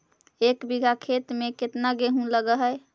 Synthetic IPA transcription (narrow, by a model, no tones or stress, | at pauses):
ekbiɡʱakʰet̪meket̪naɡeɦũləɡəɦəj